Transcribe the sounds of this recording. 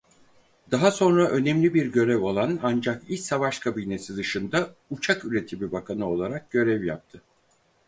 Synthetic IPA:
d̪̥aɦaso̞nɾaʔø̞nɛmlʲibiɾɟø̞ɾɛvo̞lˠanand͡ʒakisavaʃkʰabiːne̞sid̪ɯʃɯnd̪aut͡ʃʰakyɾe̞t̪ʰibibakʰanɯo̞lˠaɾak̚ɟ̥ø̞ɾɛvja̰p̚t̪ʰɯ

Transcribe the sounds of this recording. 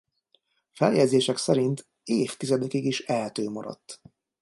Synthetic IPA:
fɛljɛdzeːʃɛksɛɾint̪ | eːft̪izɛd̪ɛkiɡiʃɛlt̪øːmɒɾɒ̰t̪ː

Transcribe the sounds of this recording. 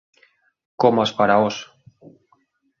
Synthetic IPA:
komaspaɾaos

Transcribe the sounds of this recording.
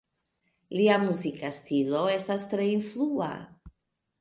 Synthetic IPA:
liamuzikastilo̞e̞stastɾe̞influa̰

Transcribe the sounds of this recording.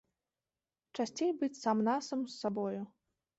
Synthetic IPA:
t͡ʂasʲt͡sʲejbɨt͡sʲsamnasɐmsːabɔju

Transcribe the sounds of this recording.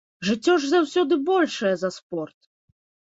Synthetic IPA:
ʐɨt͡sʲːɔʐzawsʲɔd̪ɨbɔlʲʂɐjɐzɐspɔrt̪̚

